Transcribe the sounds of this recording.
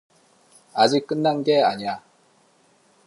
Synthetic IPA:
ad͡ʑik̚k͈ɯnːanɡe̞aɲia

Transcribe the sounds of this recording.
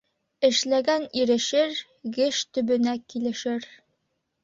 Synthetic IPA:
ɘ̆ʃlæɡæniɾɘ̆ʃɘɾ | ɡɘʃt̪ɵ̆bɵ̆nækilɘ̆ʃɘɾ

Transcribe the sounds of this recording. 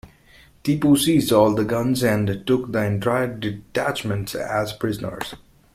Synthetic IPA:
t̪iːpusiːzdɔːlˠd̪əɡʌ̃nzæ̃nʈʊk̚d̪əɪ̃ntʰɹaɪəɖɪʈæt͡ʃmə̃nʈsæzpʰɹɪzənə̰ɹz̥

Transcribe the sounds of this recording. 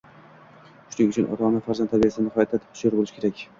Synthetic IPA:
ʃʊnɪŋʊt͡ʃʰʊnʔɒ̰t̪ʰɑnafaɾzant̪ʰːabijasɪd̪anɪhɒjat̪ʰːat̪ʰɪ̥p̪ʰʃjɒɾbolɪʃɪ̥kʰʲeɾakʲ

